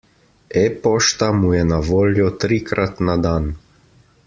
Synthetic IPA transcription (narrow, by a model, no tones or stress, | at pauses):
ɛpɔʃt̪amujɛnaʋoːljɔt̪ɾikɾʔat̪nad̪an